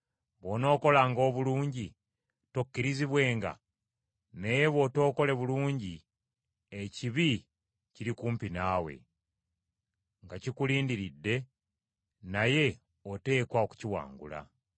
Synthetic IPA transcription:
βo̞ːno̞ːko̞laːŋɡo̞ːβuluːɲɟi | to̞kːiɾiziβwe̞ːŋɡa̰ | nejeβo̞to̞ːko̞le̞βuluːɲɟi | eciβi | ciɾikuːmpinaːwe̞̰ | ŋɡacikuliːndiɾidːe̞ | naje̞ | ote̞ːkwaoku̥ciwa̰ːŋɡṵla̰

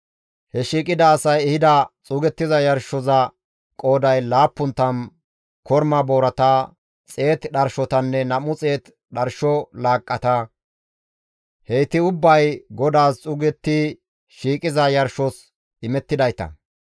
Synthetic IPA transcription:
hɛʃiːkʼɪd̪ɐːsɐjɛhɪd̪ɐt͡sʼʊɡɛt̪ːɪzɐjɐɾʃɔzɐ | kʼo̞ːd̪ɐjlaːpːʊnt̪ːɐn | kɔɾmɐboːɾɐt̪a | t͡sʼe̞ːt̪ɗɐɾʃɔt̪ɐnːɛnɐmʊt͡sʼe̞ːt̪ | ɗɐɾʃɔlaːkʼːɐt̪ɐ | hejt̪ɪʊbːɐjɡɔd̪aːst͡sʼʊːɡɛt̪ːi | ʃiːkʼɪzɐjɐɾʃɔs | ʔɪmɛt̪ːɪd̪ɐjt̪ɐ̰

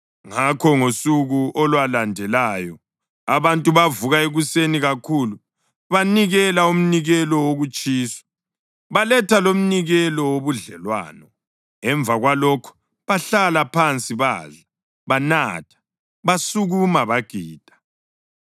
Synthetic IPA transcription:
ŋakʰɔŋosuɣuʔɔlwalandʱɛlajɔ | aβantʼuβavuɣaeɣuseniɣakʰulu | βaniɣɛlaum̩niɣɛlɔwoɣut͡ʃʼiːsɔ̥ | βalɛtʰalom̩niɣɛlɔwoβuɮɛlwa̰ːnɔ | ɛɱb̪vʱaɣwalɔkʰɔ̥ | βaɬalapʰant͡sʼiβa̰ːɮa | βana̰tʰḁ | βasuɣumaβaɡ̥ʱiːd̥ʱḁ

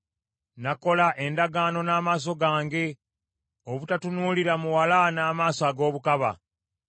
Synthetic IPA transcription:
nako̞laʔe̞ndaɡaːno̞naːmaːs̬o̞ɡaːŋɡe̞ | oβutatunuːliɾamuwalanaːmaːsoaɡo̞ːβukaβa̰

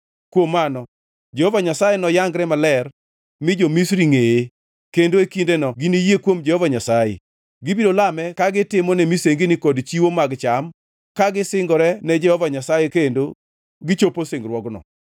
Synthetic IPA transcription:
kwomːanɔ | d͡ʒɛhovaɲasajenɔjaŋɡɾɛmalɛr | mɪd͡ʒomisɾiŋee | kendoekindenɔɡinijekwomd͡ʒɛhɔvaɲasajḛ | ɡɪbidolamɛkaɡɪtɪmɔnɛmiseŋɡinɪkɔdt͡ʃiwomaɡt͡ʃam | kaɡɪsɪŋɡɔɾɛnɛd͡ʒɛhɔvaɲasajekendo | ɡɪt͡ʃoposɪŋɡɾwɔɡnɔ̰

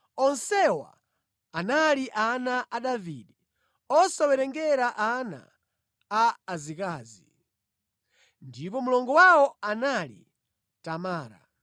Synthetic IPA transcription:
ɔnsɛwa̰ | analiʔanaʔaɗavḭɗɛ | ɔsawɛɾɛŋɡɛɾaʔana̰ː | zikaːzi | ndipɔmulɔŋɡɔwawɔanalḭ | tamaːɾa̰

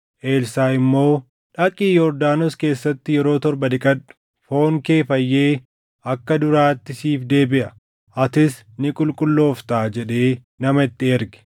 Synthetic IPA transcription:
ʔeːlsaːɪmːo̞ː | ᶑɐkʼiːjɔɾd̪aːnɔske̞ːsːɐt̪ːɪjɛɾo̞ːt̪ɔɾbɐd̪ɪkʼɐᶑʊ̥ | fo̞ːŋke̞ːfɐjːe̞ː | ʔɐkːɐd̪ʊɾaːt̪ːɪsiːfd̪e̞ːbɪʔɐ | ʔɐt̪ɪs | nɪkʼʊlkʼʊlːo̞ːft̪aːd͡ʒɛᶑe̞ː | nɐmɐɪt̪ːɪɛɾɡɛ̥

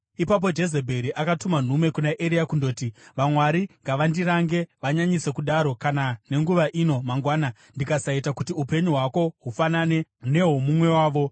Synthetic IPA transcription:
ipap̬o̞d͡ʒe̞ze̞bʱe̞ɾiʔakatuman̤ume̞kunaʔeɾiakundo̞ːtiʋamwaɾiŋɡaʋandiɾaŋɡe̞ʋaɲaɲise̞kuɗaɾo̞kanane̞ŋɡuʋaʔino̞maŋɡwaːna | ndikasaitakutiupe̞ɲuɦwako̞ɦufanane̞ne̞ɦomumwe̞waːʋo̞

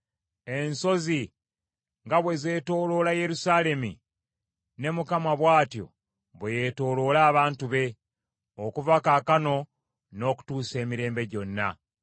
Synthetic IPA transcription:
e̞nso̞zi | ŋɡaβwe̞ze̞ːto̞ːlo̞laje̞ɾusaːle̞mḭ | ne̞mukamaβwaːtjo̞̰ | βweje̞to̞ːlo̞ːlaːβaːntuβe̞ | okuvakaːkano̞ | no̞ːku̥tuːse̞ːmiɾe̞ːmbe̞ɟo̞nːa̰

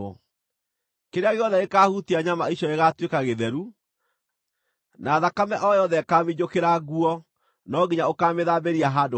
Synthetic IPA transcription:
ɔ | keɾeaɣeɔðɛekaːhutiaɲamaiɕjɔeɣatwekaɣeðɛɾu | naːðakamɛʔɔjɔðɛkamiɲokeɾaɣuɔ | nɔːɣiɲaokaːmeðaːbeɾiaɦaːdo

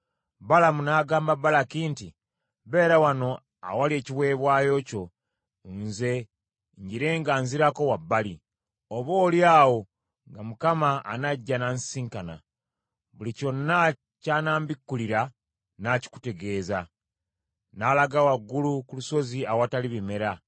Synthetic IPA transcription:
balamunaːɡaːmbabalakinti | βe̞ːɾawano̞ | a̰walieːciβwe̞ːβwaːjo̞ːco̞ | nze̞ | ɲɟiɾe̞ŋɡanziɾako̞wabːali | oβo̞ːljaːwo̞ | ŋɡamukama̰ːnaɟːanansiːŋkana̰ | βulico̞nːa | canaːmbikːuliɾa | naci̥ku̥te̞ɡe̞ːza | naːlaɡawaɡːulukuluso̞ziawataliβime̞ɾa

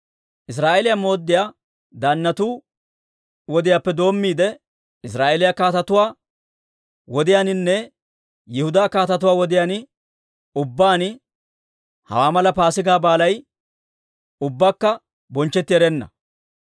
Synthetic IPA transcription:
ʔɪs̬ɾaːʔeːlɪjamo̞ːd̪ːɪjaː | d̪anːɐt̪uː | wɔd̪ɪjaːpːɛd̪o̞ːmːiːd̪ɛ | ɪs̬ɾaːʔeːlɪjakaːt̪ɐt̪ʊwaː | wɔd̪ɪjaːnɪnːɛ | jɪhʊd̪aːkaːt̪ɐt̪ʊwaːwɔd̪ɪjaːnɪ | ʊbːaːnɪ | hɐ̰waːmɐlɐpaːsɪɡaːbaːlɐj | ʊbːaːkːɐ | bɔnt͡ʃːɛt̪ːɪɛɾɛnːɐ̰

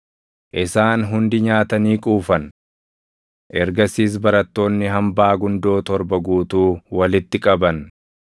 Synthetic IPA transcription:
ʔɪsaːnɦʊnd̪ɪɲaːt̪ɐniːkʼuːfɐn | ʔɛɾɡɐsiːs̬bɐɾɐt̪ːo̞ːnːɪɦɐmbaːɡʊnd̪o̞ːt̪ɔɾbɐɡuːt̪uːwɐlɪt̪ːɪkʼɐbɐn

